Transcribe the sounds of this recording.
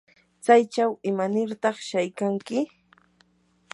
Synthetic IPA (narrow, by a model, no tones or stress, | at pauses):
t͡sajt͡ʃawɪmanɪɾt̪ɑχʃajkaŋkɪ